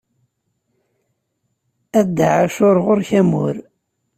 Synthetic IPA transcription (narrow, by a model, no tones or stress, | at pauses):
æd̪ːaʕaʃʊɾˤʁʊɾçæmʊ̰ɾ